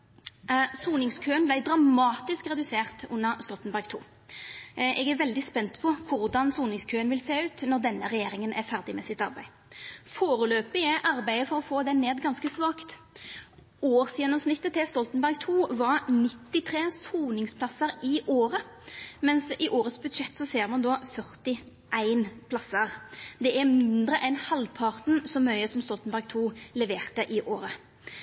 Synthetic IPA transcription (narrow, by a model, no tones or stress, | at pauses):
suːnɪŋskʰøːənblæɪd̪ɾɑmɑːt̪ɪskʁɛd̪ʉseːʁt̪ʊ̰nːəʁst̪ɔlt̪nbæʁɡ̚t̪ʰṵː | ʔɛɡæɾʋɛld̪ɪspɛnt̪pʰɔkʰʊɾd̪ɑnsuːnɪŋskʰøːənʋɪlseːʉːt̪nɔʁd̪ɛnːəʁɛjeːɾɪŋənʔæfæʁd̪ɪmɛsɪt̪ɑɾbæɪ | foːɾəløːpɪæʔɑɾbæɪəfɔɾɔfoːd̪ɛneːd̪ɡɑnskəsʋɑːkt̪ | oːʁsjɛnːɔmsnɪt̪ːət̪ʰɪlst̪ɔlt̪nbæʁɡ̚t̪ʰuːʋɑʁnɪt̪ːɪt̪ʰʁeːsuːnɪŋspʰlɑsəɾɪʔoːɾə | mɛnsɪʔoːʁət̪sbʉd̪ʂɛt̪ːsɔseːʁmɑnd̪ɔfœʁt̪ɪ | ʔæɪnpʰlɑsəʁd̪ɛʔæmɪnd̪ʁəʔɛnhɑlpʰɑʁt̪n̩sɔmœʏəsɔmst̪ɔlt̪n̩bæʁɡ̚t̪ʰuːlɛʋeːʁt̪əʔɪʔoːɾə